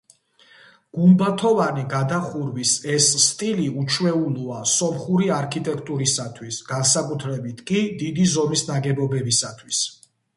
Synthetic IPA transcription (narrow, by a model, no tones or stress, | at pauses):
ɡ̥umbat̪ʰɔvaniɡad̪aχuɾvisɛsːt̪ʼiliut͡ʃʰwɛuluasɔmχuɾiaɾkʰit̪ʼɛkʰt̪ʼuɾisat̪ʰwisɡ̥ansakʼut̪ʰɾɛbit̪ʰkʼid̪id̪izɔmisnaɡɛbɔbɛbisat̪ʰwis